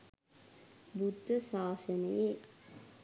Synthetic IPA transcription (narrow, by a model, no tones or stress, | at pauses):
bud̪ːəsaːsənəje